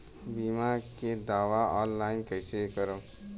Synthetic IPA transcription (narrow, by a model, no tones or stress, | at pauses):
biːmaked̪aːʋaɔːnlaːɪnkəɪsekəɾoː